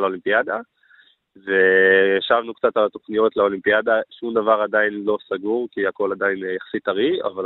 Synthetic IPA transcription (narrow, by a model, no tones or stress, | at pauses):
lolimpijad̪a | ve̞jaʃavnukt͡satalat̪o̞χnijo̞tlaolimpijadaʃumd̪avaʁadajinlo̞saɡuʁkihako̞lad̪ajinjaχsitaʁia̰val